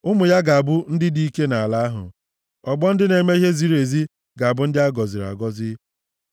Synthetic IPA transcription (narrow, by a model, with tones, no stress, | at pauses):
ʊ˦mʊ˨ja˦ɡa˨a˨bʊ˦n̩˦dɪ˦di˦ke˦na˨a˨la˦a˦ɦʊ̰˨ | ɔ˨ɡ͡bɔ˦n̩˦dɪ˦ne˨me˦i˦ɦe˦zi˦ɾe˨zi˦ | ɡa˨a˨bʊ˦n̩˦dɪ˦a˦ɡɔ˨zɪ˨ɾa̰˨ɡɔ˦zɪ˦